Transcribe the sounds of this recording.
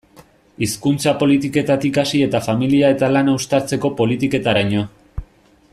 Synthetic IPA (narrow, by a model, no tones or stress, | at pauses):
iskunt͡sapo̞lit̪ike̞t̪at̪ikasie̞t̪afamiliae̞t̪alanawst̪aɾt͡se̞ko̞po̞lit̪ike̞t̪aɾaɲo̞